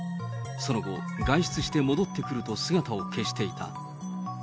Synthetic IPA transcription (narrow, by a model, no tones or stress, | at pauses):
so̞no̞ɡo̞̰ɡaiɕi̥t͡sɨɕi̥t̪e̞mo̞d̪ot̪ːe̞kɯ̟ɾɯ̟t̪o̞sɨɡat̪ao̞kʰe̞ɕi̥t̪e̞it̪ʰa̰